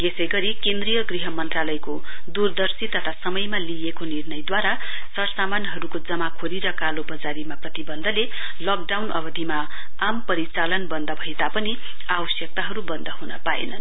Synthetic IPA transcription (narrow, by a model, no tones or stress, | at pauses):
jesʌjɡʌɾikend̪rijʌɡriɦʌmʌnt̪ralʌjko | d̪urd̪ʌrsit̪ʌt̪ʰasʌmʌjmaliekonirnʌjd̪waɾa | sʌrʌsamanɦʌɾukod͡zʌmakʰoɾiɾʌkalobʌd͡zaɾimaprʌt̪ibʌnd̪ʱʌle | lʌk̚ɖawnʌbʌd̪ʱima | ampʌɾit͡salʌnbʌnd̪ʱʌbʱʌjt̪apʌni | abʌsjʌk̚t̪aɦʌɾubʌnd̪ʱʌɦunʌpaḛnʌn